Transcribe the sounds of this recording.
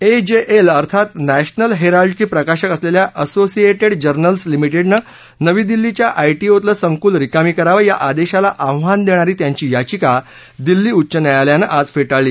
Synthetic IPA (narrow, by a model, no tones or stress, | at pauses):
ed͡ʑeʔeləɾt̪ʰat̪næɕnəlɦeɾalɖt͡ɕiːpɾəkaɕəkəsleljaʔəsosieʈeɽd͡ʑəɾnəlslimiʈeɽnə | nəʋiːd̪ilːit͡ɕjaʔajʈiot̪ləsəŋkuːlɾikamiːkəɾaʋəja̰ʔad̪eɕalaʔawʋand̪eɽ̃aɾiːt̪jaɲt͡ɕiːjat͡ɕika | d̪ilːiːutːt͡ɕənjajaljanəʔad͡zfeʈaɭːiː